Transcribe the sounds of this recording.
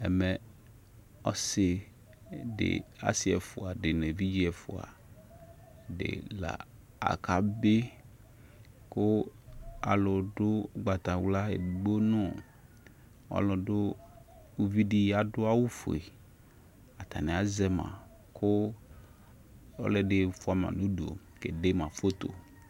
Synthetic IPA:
ɛ˨mɛ˨ | ɔ˦se˨ | ɖḛ˨a̰˦si˨ɛ˨fo˨a˨ɖe˨nẽ˨vi˦d͡ʑi˦ɛ˨fo̰˨a̰˨ | ɖḛ˨la̰˨ | a̰˨ka˨be˦ | ko˦ | a̰˨lɔ˨ɖʊ˦ɡ͡ba˨t̪ã˨wla˦ḛ˨ɡ͡bo˦nɔ̃˦ | ɔ̰˦lɔ˨ɖo˦ | u˦vi˦ɖi˦a˨ɖo˦a˦wu˦fo̰˨ḛ˨ | a˨t̪a˨nẽ˨a˨˦zɛ˦mã̰˨ | kʰo˦ | ɔ̰˦lɛ˦ɖe˨fo˦a˨˦mã̰˨nũ˦ɖo̰˨ | ke˨ɖe˦mã˨fo˦t̪o̰˨

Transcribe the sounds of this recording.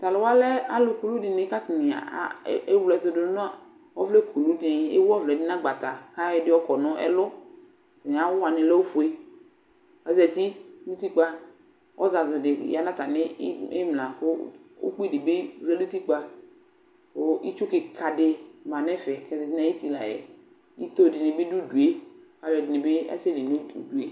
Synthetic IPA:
ta˨lʊ˨˦wa˦lɛ˦a˦lʊ˨ku˨lu˦dɪ˨nɪ˨˦ka˦tɪ˨nɪ̰˨˦ | e˦wlɛ˨tʊ˨dʊ˨ʊ˦n˦a˦ | ɔ˦vlɛ˦kʰu˨lu˦dɪ˨˦ḛ˦wɔ˦vlɛ˨dɪ˦nã˦ɡ͡ba˨ta˨ka˦ɛ˨˦dɪ˦ɔ˦kɔ˨nʊ̃˦ɛ̰˦lʊ˦ | tɪ˨n˨a˨˦wʊ˦wa˨nɪ˨lɛ˦o˦fʊ˨e˦ | ɛ˨˦zɛ˨t̪i˦nu˦ti˦k͡pa˦ | wʔɔ̰˦za˨zʊ˨dɪ˨ja˨nã˦t̪a˨nɪ˦e˦mlã˨kʊ˦wo̰˦k͡pi˦dɪ˨be˦vlɛ˦lu˦t̪i˦k͡pa˦ | o˦i˦t͡ʃʊ˦kɪ˨kʰa˨dɪ˨mã˨nɛ˦fɛ˨kɛ˨˦nã˦e˦t̪i˨la˨jɛ̰˨ | ḭ˦t̪o˦˨dɪ˨nɪ˨be˦du˦du˨e˦ | ka˨vɛ˨dɪ˨nɪ̃˨be˦a̰˦se˦li˨nũ˦u˨du˨ḛ˦

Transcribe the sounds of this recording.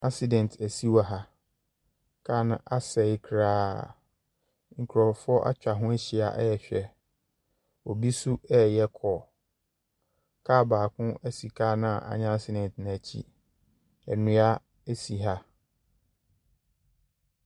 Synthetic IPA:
a˦si˨dɛ̃˨n˨tʰæ˨si˦wa˦˨ɦa˦ | kʰa˦nã̰˦ʔa˦sɛ˨ɪ˦kʰɾaː˦ | ŋ̩˨kʰɾɔ˨fʊ˦ɔ˦ʔa̰˦t͡ɕᶣa˨ɦʊ̃˦æ˦ɕi˨a̰˨ʔjɛ˨ɕᶣɛ˨ | ɔ˨bi˦su˦ɛ˦jɛ˦kʰɔː˨ | kʰaː˦˨baː˨kʰʊ̃˦æ˦si˨kʰaː˦nã˦a˨a̰˨ɲã˦a˦si˦dɛ̃˨ntñ˨æ˨t͡ɕʰḭ˦ | ɛ˨nʊ̃˦a˦ | e˦si˨ɦa˦

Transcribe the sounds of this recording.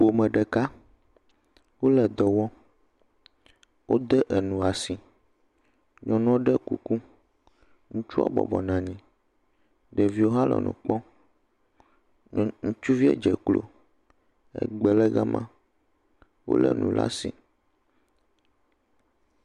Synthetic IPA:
ɸo˨mɛ̃˨ɖɛ˨ka˦ | wo˦lɛ˨d̪ɔ˨wɔ˦ | wʔo˦d̪ɛ˦ʔɛ˨nũ˨a˨si˨ | ɲɔ̃˨nɔ̃˦ɖɛ˦ku˨ku˦ | ŋũ˦t͡ʃu˦a̰˦bɔ̰˨bɔ̰˨nã˨ɲĩ˨ | ɖɛ˨vi˦wo˦ɦa˦lɛ̰˨nṵ̃˨k͡pɔ˦˨ | ŋũ˦t͡ʃu˦vi˦ḛ˦d͡ʒɛ˨klo̰˨ | ɛ̰˨ɡ͡bɛ˨lɛ˦ɣa˦mʔã̰˦ | wo̰˦lɛ̰˨nṵ̃˨lʔa̰˦si˨

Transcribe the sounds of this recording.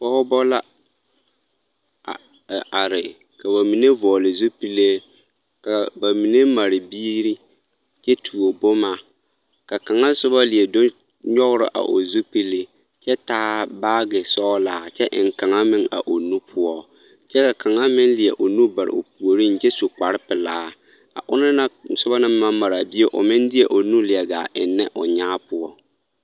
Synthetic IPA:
pɔ˦hʊ˦bɔ˦la˦˨ | a˨ɾɪ˨ | ka˨βa˨mi˨ne˦vɔː˨lɪ˨zʊ˦pi˦le˦ | ka˨ba˨mi˨ne˦ma˨ɾɪ˨biː˦ɾi˦ | t͡ʃɛ˦tʰu˨o˨bʊ˦ma˦˨ | ka˨ka˨ŋa˦sʊ˦ba˦lɪ˨ɛ˨do˦ | ɲɔ˦ɣʊ˦ɾɪ̰˨ʔa̰˨ʔo̰˨zo˦pi˦le˦ | t͡ʃɛ˦taː˦baː˦ɡɪ˨sɔː˦laː˨˦t͡ʃɛ˦ʔɪ̰˨ŋ˨ka˨ŋa˦mɪ˦ŋa̰˨ʔo˨nu˦pʰʊ˦ɔ˦ | t͡ʃɛ˦ka˨kʰa˨ŋa˦mɪ˦n˦lɪ˨ɛ̰˨ʔo˨nu˦ba˨ɾɪ̰˨o̰˨pu˨o˨ɾi˦˨n˨t͡ʃɛ˦su˨ka˨ɾɪ˦pɪ˨laː˨˦ | a̰˨ʔʊ˦na˦na˦sʊ˦ba˦nɪ˦mːa˦ma˨ɾa˨bɪ˦e˦ʔʊ̰˨mɪ˦ndɪ˦ɛ˨ʔo˨nu˦lɪ˨ɛ˨ɡa̰˨ʔɪ̰˨nːɪ̰˦ʔʊ˨ɲaː˦pʊ˦ɔ˦

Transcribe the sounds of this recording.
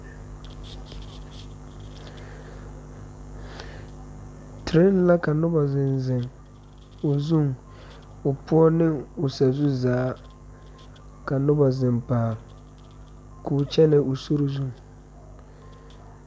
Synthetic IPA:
tʰɪ˨ɾɪ˦n˦la˦ka˨nʊ˦ba˨zɪ˨nzɪ˨ŋ | o˨zu˦˨ŋ | ʊ˨pʊ˦ɔ˦nɪ˦ŋʊ˨sa˨zu˦zaː˨˦ | ka˨nʊ˦ba˨zɪ˨mpaː˨ | kʰuː˨t͡ʃɛ˦nɪ˨ʊ˨so˦ɾo˦zu˦˨ŋ

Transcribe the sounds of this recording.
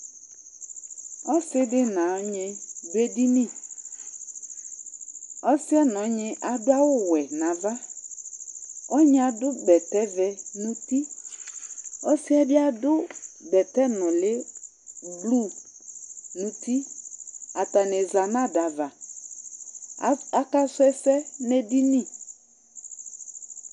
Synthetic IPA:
ɔ˦sɪ˦dɪ˦nã˨ɔ˦ɲɪ˧be˦di˦nĩ˦˨ | ɔ˦sɪ˦ɛ˦n˨ɔ˨˦ɲɪ˦ʔa˨dʊ˦a˦wʊ˦wɛ˨nã˨va˦ | ɔ˦ɲɪ˦a˨dʊ˦bɛ˨tɛ˦vɛ˦nũ˦ti˦ | ɔ˦si˦ɛ˦bɪ˦a˦dʊ˦ɡ͡bɛ˨tɛ˦nʊ̃˨lɪ˦ | blu˦˨ | nũ˨ti˦ | a˨ta˨nɛ˨za˨nã˦da˨va˨ | a˨ka˦sɛ˦sɛ˦nɛ˨di˦nĩ˦˨

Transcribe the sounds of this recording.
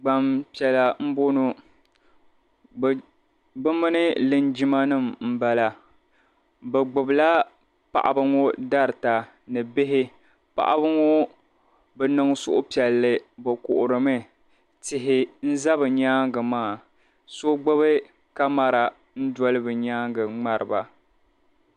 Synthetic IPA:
ɡ͡ba˨mpi˨ɛ˨la˨m̩˦bo˦no˦˨ | bɨ˦mɨ˦nɨ˦lɨ˦nd͡ʒi˦ma˦nɨ˦˨mm̩˦ba˦la˨ | bɛ˨ɡ͡bʊ˨bla˦ | pa̰˨ʔa̰˨bɨ˦ŋo˦da˦ɾɨ˨ta˨ | nɨ˨bɪ˦ɦɪ˦ | pa̰˨ʔa̰˦bɨ˦ŋo˦ | bɛ˨nɨ˨ŋ˦sʊ̰˦ʔʊ˦pi˨ɛ˨lːɨ˦bɨ˨kʊ˨ʔʊ˨ɾɨ˨mɨ˦ | tɪ˨ɦɪ˨n̩˦za˦bɨ˨ɲaː˦ŋɡɨ˨maː˦˨ | so˦ɡ͡bʊ˦βɨ˦ | ka˦ma˨ɾa˨ | n̩˦dɔ˦lɨ˦bɨ˨ɲaː˦ŋɡɨ˨ŋ͡ma˦ɾɨ˨ba˨

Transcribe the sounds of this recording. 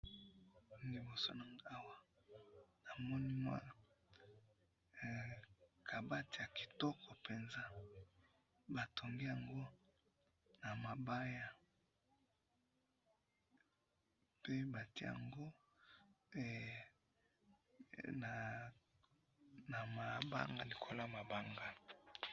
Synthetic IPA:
li˨bo˨so˦na˨ŋa˦wa˦ | na˨mɔ˦ni˦mwa̰˦˨ | kʰa˨ba˦ti˨ja˨ki̥˨tɔ˦kʰɔ˨pe˨nza˦ | ba˨tʰo˨ŋɡi˦ja˨ŋɡo˦ | na˨ma˨ba˦ja˨ | pe˦ba˨ti˦˨a̰˨ŋɡo˦ | na˨ | na˨ma˨ba̰˦ŋɡa˦li˨kʰo˦la˦˨ma˨ba˦ŋɡa˦

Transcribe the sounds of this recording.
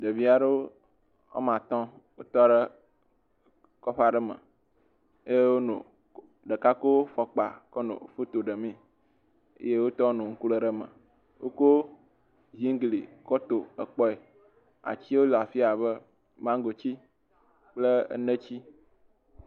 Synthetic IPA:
ɖe˨vi˦a˨ɖe˦o˦ | o̰˦mã˨t̪ɔ̃˦ | wo˦t̪ɔ˦ɖə˦ | kɔ˦ɸa˦ɖə˦mə̰̃˨ | e˦je˦wo˦nṵ̃˨ | ɖə˨ka˦ko˦fɔ˦k͡pa˨kɔ˦nõ̰˨fo˦t̪o˨ɖə˨mĩ˦ | ḛ˦je˦wo˦t̪ɔ˦nũ˨ŋ̩˦ku˦lə˦ɖə˦mə̰̃˨ | wo̰˦ko˦ | zi˦ŋ˦ɡlḭ˨kɔ˦t̪o˨ə˨k͡pɔ˦e˨ | a̰˨t͡ɕi˦wo˦lo˨a˨fi˦a˨βə˦ | mã˦ŋ˦ɡo˨t͡ɕi˦ | k͡plə̰˦nə˦t͡ɕi˦

